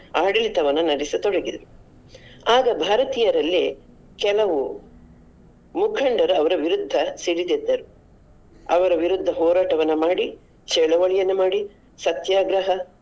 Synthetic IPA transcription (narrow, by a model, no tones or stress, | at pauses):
aːɽilit̪ɐʋɐnːɐnɐɾisit̪ɔɽɐɡid̪ɐɾu | aːɡɐbʱaːɾɐt̪ijɐɾɐlːi | kɛlɐʋu | mukʰɐɳɖɐɾuɐʋɐɾɐʋiɾud̪ʱːɐsiɽid̪ed̪ːɐɾu | ɐʋɐɾɐʋiɾud̪ʱːɐɦɔːɾaːʈɐʋɐnːɐmaːɽi | t͡ʃɛɭɐʋɐɭijɐnːumaːɽi | sɐt̪jaːɡɾɐɦɐ